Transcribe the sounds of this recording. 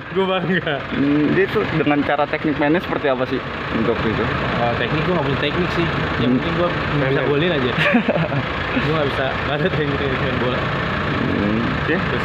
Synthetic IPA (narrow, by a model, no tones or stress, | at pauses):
ɡuabaɡadit̪ʊdəŋant͡ʃaɾat̪ɛk̚nɪk̚menɛsə̥pərt̪iapasɪh | unt̪ʊk̚t̪uit̪uət̪ɛk̚nɪk̚ɡuaŋɡapuɲat̪ɛk̚nɪksɪhakɪnɡua | ŋabisabolnad͡ʒa | ɡuaŋɡabisa | ŋadat̪ɛk̚nikenikmanbolɛ | sɪhʊs